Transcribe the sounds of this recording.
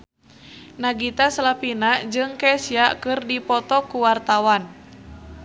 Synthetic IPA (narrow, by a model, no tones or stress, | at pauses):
naɡit̪aslapinad͡ʒɨŋkɛsiakɨrdipɔt̪ɔkuwart̪awan